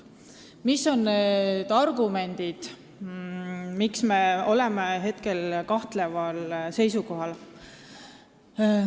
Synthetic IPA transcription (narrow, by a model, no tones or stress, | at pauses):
misːo̞nned̪̥ɑrɡume̞nʲd̪̥id̪̥ | miksme̞o̞le̞meɦe̞t̪ke̞lkɑht̪le̞vɑlse̞jsuko̞ɦɑl